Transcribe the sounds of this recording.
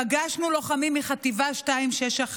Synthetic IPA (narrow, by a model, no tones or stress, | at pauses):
aɡaʃnulo̞χamimːiχat̪ivaʃtaimʃeʃaχ